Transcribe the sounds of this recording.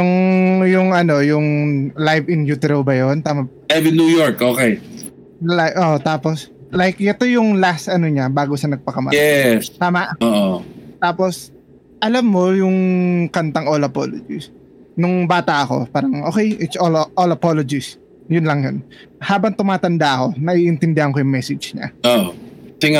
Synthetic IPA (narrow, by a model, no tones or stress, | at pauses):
jʊŋjʊŋɐno̞jʊŋlajvɪnjuːt̪ɛɾowbɐjont̪aːmɐ | ajvɪnuːjoɹkʔoːkɛj | laʔoʔt̪aːposlajkʔɛt̪o̞jʊŋlast̪ɐnoɲabaːɡosɐnɐɡ̚pɐkɐmɐ̰jɛst̪aːmaʔʔoːʔot̪aːpo̞s | ʔɐlɐmːo̞jʊŋkɐnt̪ɐŋʔolɐpo̰lo̰d͡ʒɪ̰s | nʊŋbaːt̪ɐʔɐko̞̰paːɾɐŋʔoːkɛjʔɪt̪sʔolʔolɐpolod͡ʒɪs | jʊnlɐŋjon | haːbɐŋt̪ʊmaːt̪ɐnd̪aʔɐko̞nɐʔiʔɪnt̪ɪnd̪ɪhɐnkojʊŋmɛsɪd͡ʒɲa̰oʔsɪŋa